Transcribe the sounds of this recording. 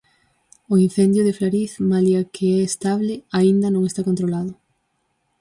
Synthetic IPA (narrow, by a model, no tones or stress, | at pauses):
ʊin̟θɛnd̪jʊðɪflaɾiθmaljakʰeɛːst̪aβlɪaind̪ɐnõŋest̪akõnt̪ɾolaðʊ